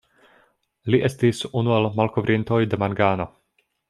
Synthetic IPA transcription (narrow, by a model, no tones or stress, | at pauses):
liʔe̞stisunuelmalkovɾʔinto̞jde̞maŋɡaːno̞